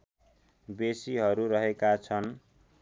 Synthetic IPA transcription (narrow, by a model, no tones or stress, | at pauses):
besiɦʌɾuɾʌɦekat͡sʰʌn